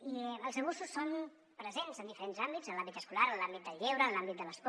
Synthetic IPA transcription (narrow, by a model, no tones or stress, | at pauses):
iəlˠzəβususːon | pɾəzenzənd̪ifəɾenzambidzənlambit̪əskulaɾənlambit̪̚d̪əlˠʎewɾənlambit̪̚d̪ələsk